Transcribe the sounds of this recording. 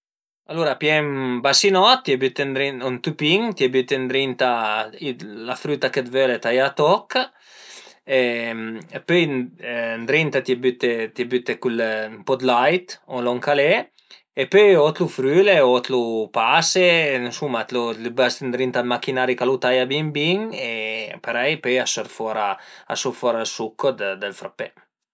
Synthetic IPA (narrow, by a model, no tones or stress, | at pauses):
alːuɾapjɛmbasinɔt̪ːjɛbyt̪end̪ɾiɔnt̪upiŋt̪jɛbyt̪end̪ɾint̪ailafɾyt̪akət̪vølet̪ajat̪ɔkː | empøj | nd̪ɾint̪at̪jɛbyt̪et̪jebyt̪ekulmpɔd̪lajt̪olɔŋkale | epøjot̪lufɾyːleot̪lupasensumːat̪lulbast̪nd̪ɾint̪almakinaɾikalut̪ajabimbiŋepeɾɛjpøjasɔɾfɔɾaa̰suɾfɔɾalsukʰːod̪d̪əlfɾapːe